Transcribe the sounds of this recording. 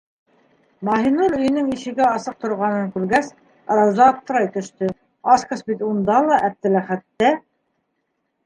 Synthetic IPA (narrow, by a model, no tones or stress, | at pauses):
mɑɦinuɾɵ̆jɘ̆nɘŋiʃɘ̆ɡɘɑsɤq̚t̪ŏɾʁɑnɤŋkʉɾɡæs | ɑ̰ɾɑwzɑːp̚t̪ɤ̆ɾɑjt̪ɵ̆ʃt̪ɵ | ɑskɑsbit̪und̪ɑlˠɑʔæp̚t̪ɘ̆læχæt̪ːæ